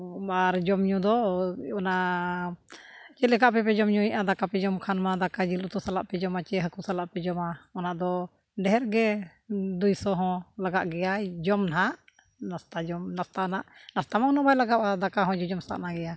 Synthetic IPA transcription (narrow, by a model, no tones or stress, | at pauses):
aɾd͡ʒɔmɲũd̪ɔɔnaʔ | t͡ʃɛlɛkaʔpɛpɛd͡ʒɔmɲuiʔad̪akapɛd͡ʒɔmkʰanmad̪akad͡ʒilut̪ɔsalaʔpɛd͡ʒɔmat͡ʃɛɦəkusalaʔpɛd͡ʒɔmaɔnaʔd̪ɔ | ɖɛɦɛɾɡɛ | d̪ujsɔɦɔ̃laɡaʔɡɛjad͡ʒɔmnaɦaʔ | nast̪ad͡ʒɔmnast̪anaʔnast̪amawnɔbajlaɡapad̪akaɦɔ̃d͡ʒɔd͡ʒɔmsa̰ʔnaɡɛja